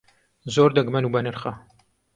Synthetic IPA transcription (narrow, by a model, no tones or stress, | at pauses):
zoːɾd̪ɐɡmɐnuːbɐnɨɾχɐ